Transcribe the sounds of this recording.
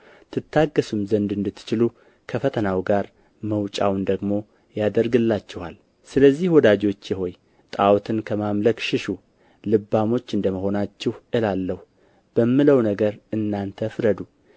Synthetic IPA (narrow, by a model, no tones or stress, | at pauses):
t̪ʰɨt̪ːaɡːəsumzənd̪ɨnd̪ɨt̪ːɨ̥t͡ʃɪlu | kʰəfət̪ʰənawɡaɾ | məwt͡ʃʼa̰wnd̪əɡmo̞ | jad̪əɾɡɨlːat͡ʃːɪha̰l | sɨləzːihwɔd̪ad͡ʒo̞t͡ʃːjɪɦo̞j | t̪ʼawt̪ʰɨnkʰəmamləkʃɪʃu | lɨbːamo̞t͡ʃːɨnd̪əməho̞nat͡ʃːɪhʔɨlalːəh | b̥əmːɨləwnəɡəɾɨnːant̪ʰəfɾəd̪u